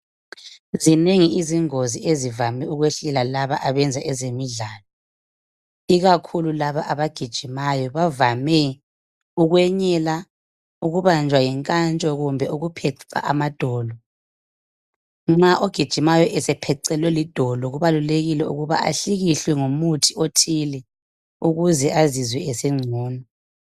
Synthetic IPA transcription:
zineŋiiziŋoziezivamɛuɣweɬɛlalaβaʔaβɛnd͡zʱaʔɛzemiɮaːlɔ | iɣakʰululaβaʔaβaɡ̥ʱid̥ʒ̥ʱimajɔβavamɛ | uɣwɛɲɛla | uɣuβand͡ʒʱwajɛŋkʼant͡ʃʼɔɣumbʱɛuɣupʰɛǀa̰ʔamad̥ʱɔːlɔ | ŋ͡ǁaʔoɡ̥ʱid̥ʒ̥ʱimajɔʔɛsɛpʰɛǀɛlwɛlid̥ʱɔlɔɣuβaluleɣilɛṵɣuβa̰ʔa̰ɬiɣiɬwɛŋomutʰiotʰilɛ | uɣuzɛʔazizwɛɛsɛŋ͡ǀʱuːnɔ

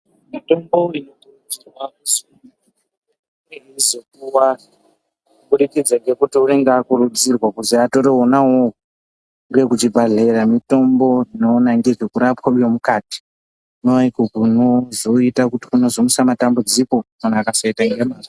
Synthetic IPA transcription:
mito̞mboinokurud͡zirwausuu | eizokuwa | buɾikid͡zaŋɡe̞kutiuneŋɡaːkuɾud͡zirwakuziato̞ɾeɦonaɦou | ŋɡe̞kut͡ʃibʱaɮe̞ɾamito̞mbo̞inonaŋɡekekuɾapwaujomukaːti̥ | unoikokunozo̞itakuti̥kuno̞zo̞musamatambud͡ziko̞kanaakasaitaŋɡemaːr

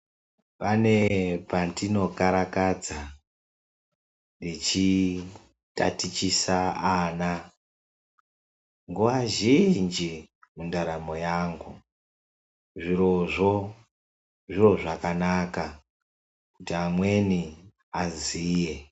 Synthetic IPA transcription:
pane̞pandino̞kaɾakad͡za | ndit͡ʃi | ta̰tit͡ʃisaːna | ŋɡuʋaʒind͡ʒi | mundaɾamo̞jaŋɡu | ʐiroʐo | ʐiro̞ʐakanaka | kutiamwe̞ni | aziːje̞

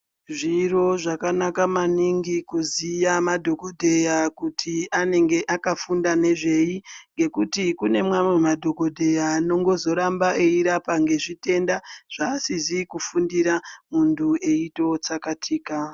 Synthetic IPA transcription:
ʐiro̞ʐakanakamaniŋɡikuzijamadʱo̞kodʱe̞jakutʰiane̞ŋɡe̞ʔakafundane̞ʐe̞jiŋɡe̞kutikune̞mwamwemadʱo̞ko̞dʱe̞jano̞ŋɡo̞zo̞ɾambaʔeiɾapaŋɡe̞ʐite̞ndaʐ̥aːsizikufundiɾamuntʰue̞ito̞t͡sakatʰiːka

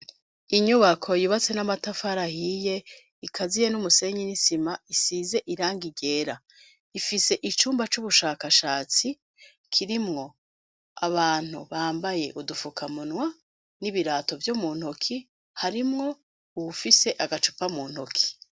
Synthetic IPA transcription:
iɲuβakʰo̞jiβat͡se̞namatafaɾahije̞ | ikʰazije̞numuse̞ɲinisimaisiːze̞ʔiɾaːŋɡiɟe̞ːɾa | ifise̞ʔit͡ʃuːmbat͡ʃuβuʃaːkaʃaːt͡si | kʰiɾimŋo̞ | aβaːn̥hṵβaːmbaje̞ʔudufukʰamunwa | niβiɾaːto̞vjomuːnhokʰi | haɾimŋo̞ | uβufise̞ʔaɡat͡ʃu̥pamuːnhokʰi̥

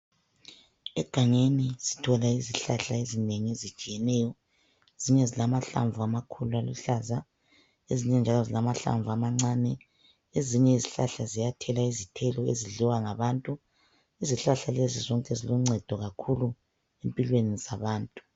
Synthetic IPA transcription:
ɛɡ̥ʱaŋenisi̥tʰɔlaiziɬaɬaezineŋiezi̥t͡ʃʼijɛnɛːjɔ | eziɲɛzilamaɬa̰ɱvuamakʰulualṵɬaza | eziɲɛnd͡ʒʱalɔzilamaɬa̰ɱvuamaŋ͡ǀaːnɛ | eziɲɛiziɬaɬazijatʰɛlaizitʰɛlɔḛziɮiwaŋaβantʼu | iziɬaɬalezizɔŋkʼɛziluŋ͡ǀʱɛd̥ʱɔɣakʰulu | empʼilwenizaβaːntʼu̥

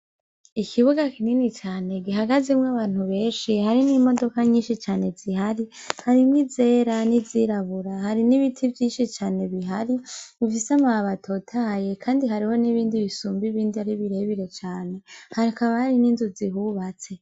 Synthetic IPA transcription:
ikʰiβuɡakininit͡ʃaːne̞ɡiɦaɡazimŋaβaːn̥huβe̞ːnʃihaɾinimo̞do̞kaɲiːnʃit͡ʃaːne̞z̥ihaɾihaɾimwize̞ːɾaniziɾaβuɾahaɾiniβitʰivjiːnʃit͡ʃaːne̞βiɦaɾiifisamaaβatʰo̞tʰaːje̞kʰaːndiɦaɾiho̞niβiːndiβisuːmbiβiːndiaɾiβiɾeβiɾe̞t͡ʃaːne̞haɾiakaβahaɾininzuziɦuβat͡se̞

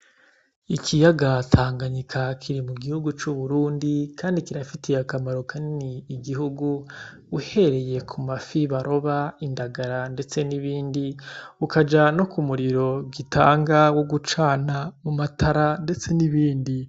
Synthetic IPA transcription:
ikʰijaɡatʰaːŋɡaɲikʰakʰiɾimuɡihuɡut͡ʃuβuɾuːndikʰaːndikiɾafitejakamaɾo̞kʰaniniːɡiɦuɡu | uhe̞ɾe̞jekʰumafiβaɾʔo̞βaindaɡaɾande̞t͡se̞niβiːndiukad͡ʒanokumuɾiɾo̞ɡitʰaːŋɡawoɡut͡ʃaːnamumatʰaɾande̞t͡se̞niβiːndi

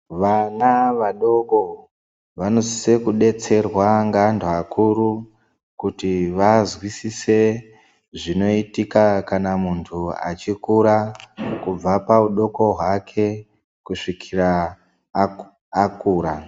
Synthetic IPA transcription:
ʋanaʋaɗo̞ko | ʋano̞zise̞kuɗe̞t͡se̞rwaŋɡantʰoakʰuɾu | kutiʋazwisise̞ | ʐino̞itikakanamuntʰua̰t͡ʃikuɾakub͡vapauɗo̞ko̞ɦwakʰe̞ | kuʂikʰira | kuːɾa

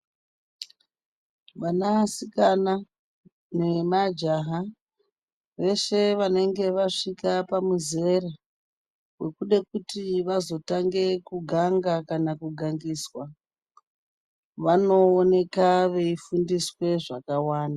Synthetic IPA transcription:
ʋanasikana | ne̞mad͡ʒaɦa | ʋe̞ʃe̞ʋane̞ŋɡe̞ʋaʂikapamuze̞ra | we̞kuɗe̞kutiʋazo̞taŋɡe̞kuɡʱaŋɡakanakuɡʱaŋɡiːswa | ʋano̞ːne̞kaʋe̞ifundiswe̞ʐakawaːnda

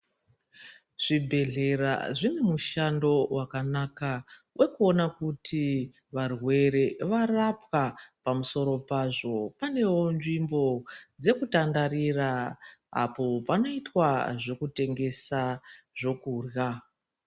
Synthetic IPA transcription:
ʐ̥ibʱe̞ɮe̞ɾa̰ʐinemuʃando̞wakanaka | wʔe̞kuo̞nakutʰi | ʋarwe̞ɾe̞ʋarapwapamuso̞ɾo̞paʐo̞pane̞wo̞nʐimbo̞d͡ze̞kutandariraa̰po̞pano̞itwaʐo̞kute̞ŋɡe̞saʐo̞kurja

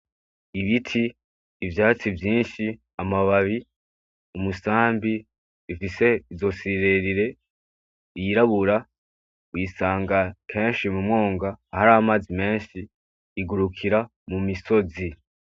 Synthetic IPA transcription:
iβitʰiː | vjaːt͡sivjiːnʃi | amaβaβi | umusaːmbi | ifise̞izo̞siɾe̞ɾiɾe̞ | jiɾaβuɾa | wisaːŋɡakʰe̞ːnʃimumŋo̞ːŋɡaːhaɾamaːzime̞ːnʃiː | ɡuɾukʰiɾa | mumiso̞zi

